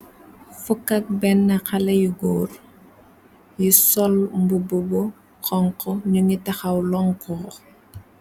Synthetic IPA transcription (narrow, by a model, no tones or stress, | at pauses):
fukːɐk̚bɛnːɐxɐlɐjuɡɔːr | jisɔlmbububɔ | kʰɔŋkɔɲuŋitɐxɐwlɔŋkɔ